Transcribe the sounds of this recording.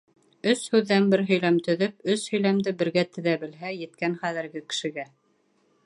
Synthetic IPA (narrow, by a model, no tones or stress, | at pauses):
ɵshʉðːænbɘɾɦɵ̆jlæmt̪ɵ̆ðɵp̚ɵshɵ̆jlæmd̪ɘbɘ̆ɾɡæt̪ɘ̆ðæbɘ̆lɦæjɘ̆t̪kænχæðɘ̆ɾɡɘkɘ̥̆ʃɘ̆ɡæ